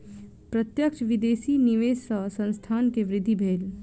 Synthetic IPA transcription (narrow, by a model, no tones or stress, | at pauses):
pɾət̪jəkʃʋɪd̪eːsiniʋeːsəsə̃nst̪ʰaːnkeʋɾɪd̪ʱːibʱeːl